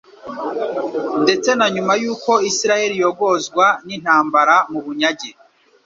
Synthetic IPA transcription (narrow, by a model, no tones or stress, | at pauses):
nde̞t͡se̞naɲumajuːko̞isiɾaje̞ɾijo̞ɡo̞zɡwanin̥haːmbaɾamuβuɲaɟe